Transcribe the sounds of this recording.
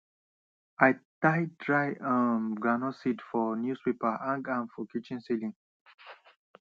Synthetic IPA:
ajtajdɹajə̃mɡɹanɔsitfɔnjuspepaʔãŋɡãnfɔkit͡ʃɛ̃nsilĩŋ

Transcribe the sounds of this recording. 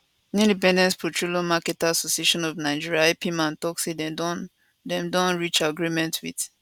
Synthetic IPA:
ĩndipɛ̃ndɛ̃nspʰɔtɹolomakɛtasosieʃɔ̃nɔvnaɪd͡ʒiɹiaepimãntɔksedɛ̃dɔ̃n | dɛ̃mdɔ̃nɹit͡ʃaɡɹimɛ̃ntwid

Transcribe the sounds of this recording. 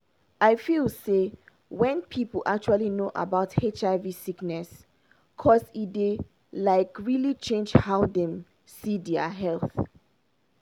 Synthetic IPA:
aɪfilse | wɛ̃npʰipəl̩ʔak̚t͡ʃualinoʔa̰baʊthet͡ʃaɪvisiknɛs | kʰɔside | laɪkɹilit͡ʃẽnd͡ʒhaʊdɛ̃m | sidɛaɦɛlˠθ

